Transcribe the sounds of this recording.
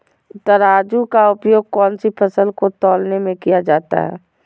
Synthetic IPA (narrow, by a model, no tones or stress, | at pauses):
t̪əɾaːd͡ʒukaʊpjoːɡ̚kɔːnsipʰəsəlkot̪ɔːlnemẽkijad͡ʒaːt̪a̰ɦɛ̰ː